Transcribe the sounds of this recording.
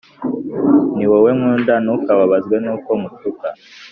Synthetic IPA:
niwowemŋundanukaβaβazɡwenuːkomutuka̰

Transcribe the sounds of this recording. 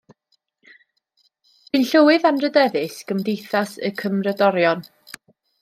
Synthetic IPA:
b̥ɨnɬəwɨðanrədɛðɨsɡ̥əmdejθasə̰kʰəmrədɔɾjɔn

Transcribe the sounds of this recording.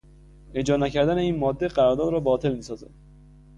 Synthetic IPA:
ed͡ʒɒːnæcʰæɾd̪æne̞iːnmɒːd̪ːe̞ɢæɾɒːɾd̪ɒːd̪ɾɒːbɒːt̪ʰe̞lmiːsɒːzæ̰d̪̥

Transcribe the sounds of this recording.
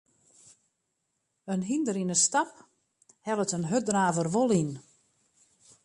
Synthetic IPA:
ənɦindəɾinəstap | hɛlˠətənɦødraːvərʋolˠin

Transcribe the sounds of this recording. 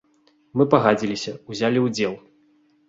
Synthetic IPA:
mɨpɐɣad͡zʲilʲisʲɐuzʲalʲiwd͡zʲɛlˠ

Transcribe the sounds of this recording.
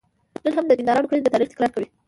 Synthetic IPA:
nəlɦamd̪əd͡ʒind̪ɑɾɑnokɽəld̪ət̪ɑɾixt̪ɪ̥kɾɑɾkawi

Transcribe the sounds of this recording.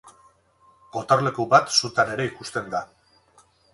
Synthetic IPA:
ko̞t̪aɾle̞kubat̪sut̪ane̞ɾe̞ikust̪e̞nd̪a

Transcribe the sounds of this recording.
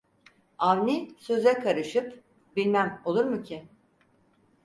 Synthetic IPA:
avnʲisø̞zɛkʰaɾɯʃɯp | bilʲmæmo̞lˠuɾmucʰɪ

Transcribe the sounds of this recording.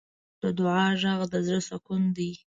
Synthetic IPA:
d̪̥əd̪ʊʕɑʒaɣd̪əzɾəsakund̪i

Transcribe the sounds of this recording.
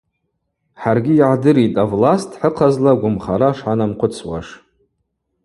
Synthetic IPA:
ħarɡʲɪːʕadɨɾitʼavlastʰħəqʰazlaɡʷʊmχaɾaʂħanamqʷʰʊt͡sʰwa̰ʂ

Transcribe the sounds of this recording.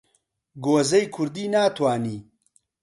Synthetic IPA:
ɡoːzɐjkʰʊɾd̪iːnaːt̪ʰwaːniː

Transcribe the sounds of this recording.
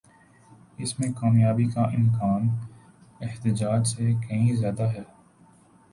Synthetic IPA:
ɪsmẽkaːmjaːbikaʔɪmkaːn | ɪht̪ɪd͡ʒaːd͡ʒsekɐɦĩzjaːd̪aɦɛː

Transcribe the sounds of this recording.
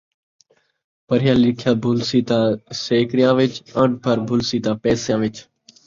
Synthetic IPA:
pəɾɪjãːlɪkʰjaːbʱʊlsiːt̪ãːseːkɾijãːʋɪt͡ʃə̃ɳbʱəɾbʱʊlsiːt̪ãːpɛːsjãːʋɪt͡ʃ

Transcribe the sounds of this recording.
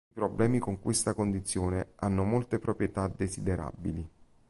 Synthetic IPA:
ipɾoblɛːmikoŋkwest̪akond̪it̪sːjoːneanːomolt̪epɾopɾjet̪ad̪ezid̪eɾʔa̰bili

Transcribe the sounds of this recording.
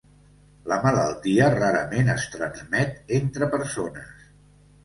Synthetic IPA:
ləmələlˠt̪iəraɾəmenəst̪ɾənzmɛt̪ent̪ɾəpəɾsonəs

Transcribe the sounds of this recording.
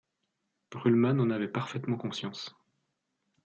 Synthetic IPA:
b̥ʁylmanɑ̃navɛpaʁfɛt̪mɑ̃kɔ̃sjɑ̃s

